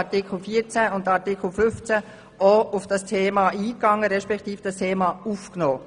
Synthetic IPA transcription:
ɑtɪkʰl̩fiːət͡sæʊndɑɾtɪkl̩fʏft͡sæ | oʊfd̥ɑstʰeːmɑʔiːkːɑŋːəɾɛʃpɛktiːfd̥ɑstʰeːmɑufknɔː

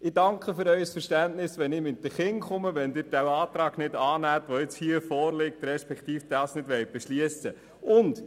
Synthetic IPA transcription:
ɪdɑŋkχəfʏɾœʏsfəɾʃtænnɪsʋɛnɪːmɪtːəχɪŋχʊməʋɛndɪːɾdæwɑːt̪ɾɑːɡnɪdɑːnæːtʋoɪt͡shiːəfɔːrlɪk̚tɾɛʃpɛkt̪iːfd̥ɑːsnɪdʋɛjt̚b̥ɛʃliəsə | ʊnd̥

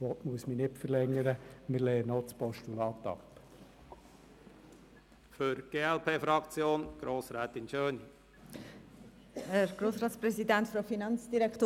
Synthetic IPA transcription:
ʋɔtmuəsmənɪpfəlɛŋːəɾəməleːənɔt͡spɔʃtulɑːt̪ɑ̰p | føɾɡ̥eːɛlpʰeːfɾɑkt͡sjoːnɡ̥ɾoːsɾɛːt̪ɪnʃøːni | hɛɾɡ̥ɾoːsɾɑːtt͡sprɛsidɛntfɾofinɑnt͡sd̥iɾɛkt̪o

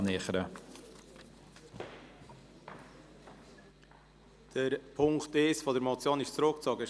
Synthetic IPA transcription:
nɪχəɾə | d̥əɾpʰʊŋktɪsfɔd̪əɾmɔt͡sjɑːnɪʃt͡sɾok̚t͡sɑːɡə

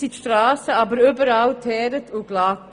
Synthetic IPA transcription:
itʃtɾaːsəɑːbəɾyːbəɾaltʰɛːɾətʰʊɡ̥laːk̚

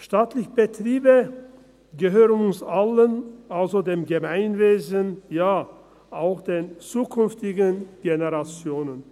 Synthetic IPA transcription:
ʃtaːtlɪçəbətʁ̥iːbə | ɡəɦøːʁənʊnsʔalənʔalzodeːmɡəmaɪnveːzənjaː | ʔaʊxd̥eːnt͡suːkʰʏnftɪɡənɡ̥enəʁat͡sjoːnən

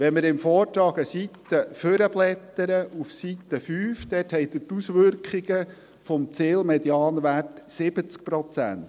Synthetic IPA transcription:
ʋɛnmɪɾɪmfɔːɾtɾɑːɡəsit̪ːəføɾəb̥lɛt̪ːəɾəʔufsit̪ːəfyːfd̪ɛthɛjt̪ətusʋʏrkχiɡə | fɔmt͡sɪːlmɛd̪jɑːnʋærtsɪb̥ət͡sk̚pɾɔt͡sænt̪

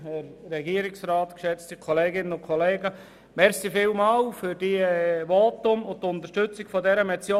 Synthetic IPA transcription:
əɾɾɛɡiəɾɪksrɑːt̪kʃɛt͡stikʰɔleːɡɪnənʊnkʰɔleːɡə | mɛɾsifɪːlmɑːwfʏɾd̥iʋoːtʊmʊntʊnt̪əʃtɵt͡sɪɡ̥fɔdɛɾəmɛt͡sjoː

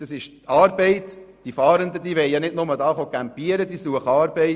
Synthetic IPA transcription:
d̥ɑsɪʃtɑːɾbɛɪtd̥ifɑːɾənd̪əd̥iːʋɛɪjɑnɪdnʊmədɑːχokæmpiəɾəd̥̪isuəχɑːɾbɛɪ

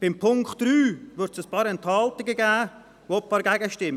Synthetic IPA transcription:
b̥ɪmpʰʊŋktɾyːvʏɾtsəspɑːɾɛnt̪hɑlt̪ɪɡəɡɛː | vopfɑɾɡɛɡəʃtɪm

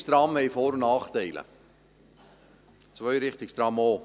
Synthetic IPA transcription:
st̪ɾɑmhɛjfoːɾnɑːχt̪ɛɪlə̰ | t͡svœʏɾɪχt̪ɪkst̪ɾɑmoː

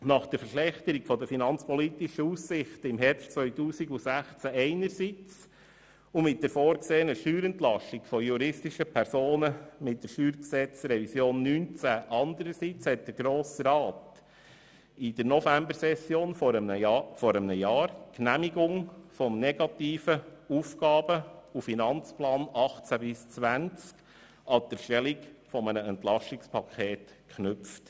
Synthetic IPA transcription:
nɑχd̥əɾfəʃlɛχt̪əɾiɡfɔd̪əfinɑnt͡spɔlit̪ɪʃəussɪχtɪmɦɛɾpstt͡sʋœʏtuːsiɡusæχt͡sæɛɪnəɾsit͡s | ʊmɪt̚d̥əɾfɔːɾkseːənəʃyːɾɛntlɑʃtiɡ̥fɔjuɾɪstiʃəpʰɛɾsoːnəmɪt̚d̥əɾʃyːɾksɛt͡sɾɛvisjoːnːyːnt͡sæʔɑnd̪əɾəsit͡shɛt̚d̥əɾɡ̥ɾoːsɾɑːt | ɪd̥əɾnɔfæmbəɾsɛsjoːnəfɔɾəmnəjɑːɾknæmiɡʊŋfɔmnɛɡ̥ɑt̪iːfəuːfkɑːb̥əufinɑnt͡splɑːnɑχt͡sæbɪst͡sʋænt͡sk | ɑd̥̪əɾʃtɛlikfɔmənəɛntlɑʃtɪkspʰɑkʰχeːt | kχnʏpft

